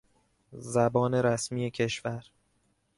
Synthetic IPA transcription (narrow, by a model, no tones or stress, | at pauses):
zæbɒːne̞ɾæsmiːjecʰe̞ʃvæɾ